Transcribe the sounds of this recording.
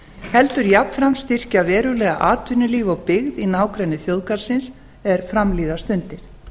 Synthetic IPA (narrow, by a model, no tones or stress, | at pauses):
hɛlt̪ʏɾjapfɾamst̪ir̥cavɛːɾʏlɛːɣaʔaːt̪vʏnʏliːvɔwpɪɣðinaːwkɾɛjnːɪθjowðkaɾ̥sɪns | ɛɾ̥fɾamliːðast̪ʏnt̪ɪɾ̥